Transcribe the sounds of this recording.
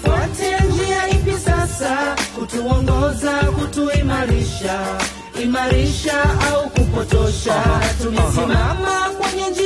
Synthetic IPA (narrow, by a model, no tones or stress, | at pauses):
kwatʰɛnd͡ʒiaipisasakutuɔŋɡɔzakutuimaɾiʃa | imaɾiʃaaukupɔtɔʃatunisimamakwɛɲɛd͡ʒi